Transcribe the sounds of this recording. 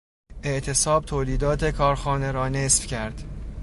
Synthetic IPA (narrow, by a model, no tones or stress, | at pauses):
ʔe̞ʔt̪ʰe̞sɒːb̚t̪ʰoːliːd̪ɒːt̪ʰe̞kʰɒːɾxɒːne̞ɾɒːnesfcʰæɾd̪̥